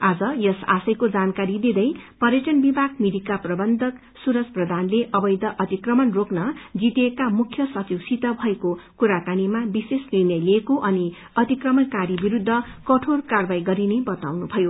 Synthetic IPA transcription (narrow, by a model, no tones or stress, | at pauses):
ad͡zʌjʌsa̰sʌjkod͡zankaɾid̪id̪ʌjpʌɾjʌʈʌnbibʱaɡmid̪ikaprʌbʌnd̪ʱʌk | suɾʌsprʌd̪ʱanleʔʌbʌjd̪ʌʔʌt̪ikrʌmʌnroknʌd͡zit̪ekamukʰjʌsʌt͡siwsit̪ʌbʱʌekokuɾakanimabisesninjʌjlekoʔʌni | ʌt̪ikrʌmʌnkaɾibiɾud̪ʱːʌkʌʈʰorkarbajɡʌɾinebʌt̪a̰wnubʱʌjo